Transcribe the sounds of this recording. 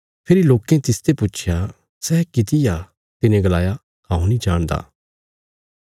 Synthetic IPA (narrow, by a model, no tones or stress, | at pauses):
pʰɪɾiloːkẽt̪ɪst̪eput͡ʃʰja | sɛːkɪt̪ɪja | t̪ɪnẽɡəlaːja | kãːũnĩd͡ʒaːɽ̃d̪a̰ː